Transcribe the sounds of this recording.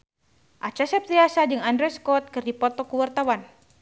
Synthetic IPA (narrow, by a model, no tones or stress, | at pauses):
ʔat͡ʃasɛp̚t̪iasad͡ʒɨŋandɾɔjskɔt̪̚kɨrdipɔt̪ɔkuwart̪awan